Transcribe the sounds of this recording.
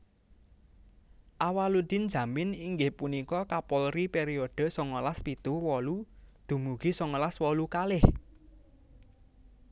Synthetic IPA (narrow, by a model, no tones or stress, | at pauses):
ʔawalud̪̥i̤nd̥d͡ʒ̥ä̤mɪniŋɡɪhpunikɔkapɔlripeɾioɖ̥ə̤sɔŋɔlaspit̪uwɔlud̪̥ṳmuɡ̥isɔŋɔlaswɔlukalɪh